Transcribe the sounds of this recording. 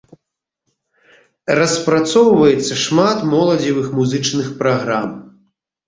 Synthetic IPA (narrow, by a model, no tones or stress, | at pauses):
rɐspɾat̪sɔwvɐjɛt̪sːɐʂmat̪mɔlˠɐd͡zʲivɨxmuzɨt͡ʂnɨxpɾaɣɾam